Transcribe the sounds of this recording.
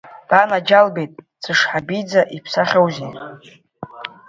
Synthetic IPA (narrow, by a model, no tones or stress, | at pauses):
d̥anad͡ʒalbejtʼ | t͡sʰɨʂħabijd͡zaʔipʰsaχʲawze